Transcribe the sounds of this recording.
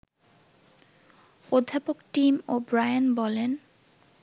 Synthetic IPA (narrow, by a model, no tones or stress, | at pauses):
od̪ʱːapokʈimobɾajanbɔlen